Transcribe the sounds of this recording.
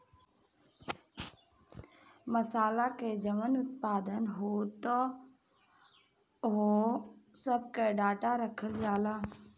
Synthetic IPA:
məsaːlaked͡ʒəmənʊt̪̚paːd̪ənɦoːt̪o | ɦ | səb̚keɖaːʈaɾəkʰəld͡ʒaːlaː

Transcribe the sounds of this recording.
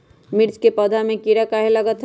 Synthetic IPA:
mɪɾt͡ʃkepəd̪ʱamẽkiɾəkəɦeləɡət̪ɦ

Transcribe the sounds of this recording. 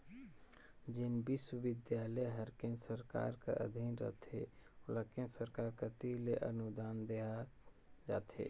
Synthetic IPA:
d͡ʒɪnbɪswəʋɪd̪jaːləjɦəɾkensəɾka̰ːɾka̰ʔə̰d̪ʱinɾə̰t̪ʰeləkẽnsəɾkaːɾkat̪ileʔə̰nud̪aːnd̪eɦa | d͡ʒa̰ːt̪ʰḛː

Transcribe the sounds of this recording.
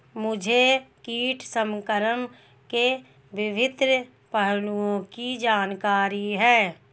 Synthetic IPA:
mʊd͡ʒʱekiːʈʰsəmkəɾəm | ke | ʋɪʋɪd̪ɾ | pəɦluõkid͡ʒaːnkaːɾiɦɛː

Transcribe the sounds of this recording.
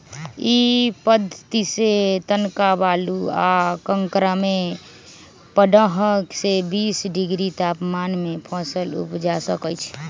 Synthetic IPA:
ipəd̪ʱət̪iset̪ənkabaluakəŋkɾame | pəɖəɦəksebisɖiɡɾit̪apmanmepʰãsəlṵpd͡ʒasəkət͡ʃʰ

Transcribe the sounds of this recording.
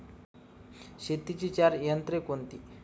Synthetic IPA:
ɕet̪it͡ɕit͡ɕaɾjənt̪ɾekont̪i

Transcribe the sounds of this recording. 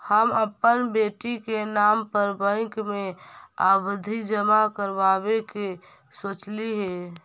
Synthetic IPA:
həməpːənbeːʈikenampəɾbə̃ɪkmẽa̰bəd̪ʱid͡ʒəmakəɾbabeke | soːt͡ʃliɦe

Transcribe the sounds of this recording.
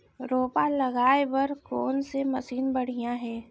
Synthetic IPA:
ɾoːpalɐɣaːebɐɾkɔːnsemɐsiːnbɐɽ̤ijãɦɛː

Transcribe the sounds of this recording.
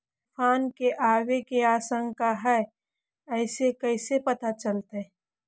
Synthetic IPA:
fʰaːnkeʔaːwekeaːsə̃ŋɡkaɦɛː | ɛɪsekɛɪsepɐt̪at͡ʃəlt̪e

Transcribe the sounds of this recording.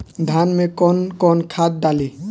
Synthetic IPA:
d̪ʱanmekɔnkɔnkʰad̪̚d̪ali

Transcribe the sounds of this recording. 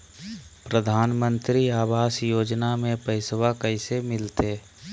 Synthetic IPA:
pɾəd̪ʱaːnmə̃nt̪ɾiaːʋaːsjoːd͡ʒnamẽpəɪswakəɪsemɪlt̪eː

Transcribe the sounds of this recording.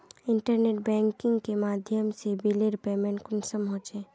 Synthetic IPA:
ɪɳʈəɾneːʈbɛ̃ːŋkɪ̃ŋɡkemaːd̪ʱjəmsebileɾpemɛ̃nkʊnsəmɦoːt͡ʃẽː

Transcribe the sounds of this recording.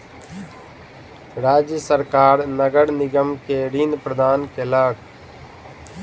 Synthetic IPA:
ɾaːd͡ʒjəsəɾkaːɾnəɡəɽnɪɡəmkeɾĩːnpɾəd̪ʱaːnkeləːɡ

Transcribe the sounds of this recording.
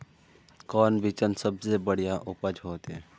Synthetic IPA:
kɔːnʋit͡ʃənsəbsebəɽ̤ijaʔʊpəd͡ʒɦoːt̪e

